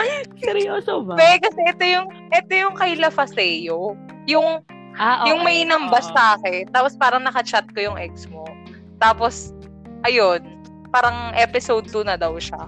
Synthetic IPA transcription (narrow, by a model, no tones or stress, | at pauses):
ɛɾjoːsobapɛkɐsɛʔɛt̪o̞jʊŋ | ʔɛt̪ojʊŋkɐjlɐfɐsɛːjo | jʊŋ | jʊŋmɐjʔnɐmbɐsːaːkɛnt̪aːpospaːɾɐŋnɐkɐt͡ʃat̪̚kojʊŋʔɛk̚smo̞ | t̪aːpos | ʔɐjo̞n | paːɾɐŋʔɛpɪsowd̪̚k̪onɐd̪ɐwʃa̰